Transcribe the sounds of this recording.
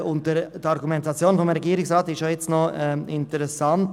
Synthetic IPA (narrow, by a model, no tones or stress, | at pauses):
ʊnt̚dədəɑɾɡumɛntɑt͡sjoːnfɔmɾɛɡiːɾɪksɾɑːtɪʃojɛt͡stnɔɛɪntəɾɛsɑnt